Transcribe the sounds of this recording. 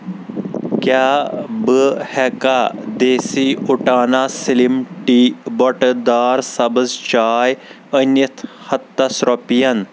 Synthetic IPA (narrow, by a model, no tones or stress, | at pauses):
kjaːbəhɛkad̪eːsiuʈaːnasilimʈibɔʈd̪aːɾsɐbəzt͡ʃaːj | ənit̪ʰhɐt̪ːɐsɾɔpijɐn